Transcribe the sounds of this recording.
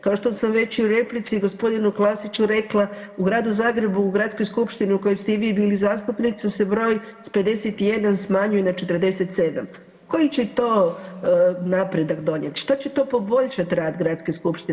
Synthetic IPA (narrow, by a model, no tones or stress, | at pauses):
kaoʃt̪osamʋe̞t͡ɕuɾe̞plit̪siɡo̞spo̞d̪inuklˠasit͡ʃuɾe̞klˠa | uɡɾaːd̪uzaːɡɾe̞buːɡɾat̪sko̞jskupʃt̪iniuko̞jest̪eiʋiːbiːlizaːst̪upnit̪sasebɾo̞ːjspe̞d̪e̞set̪ije̞d̪ansmaɲujenat͡ʃe̞t̪ərd̪e̞set̪se̞d̪a̰m | ko̞jit͡ɕet̪o̞ː | napɾe̞d̪akd̪o̞ɲet̪ʃt̪at͡ɕet̪o̞ːpo̞bo̞ʎʃat̪iɾaːd̪ɡɾat̪skeskupʃt̪i